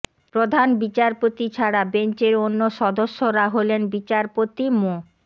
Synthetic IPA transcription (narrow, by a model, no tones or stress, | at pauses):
pɾod̪ʱanbit͡ɕaɾpot̪it͡ɕʰaɽabent͡ɕeɾonːoʃɔd̪oʃːoɾaɦolenbit͡ɕaɾpot̪imo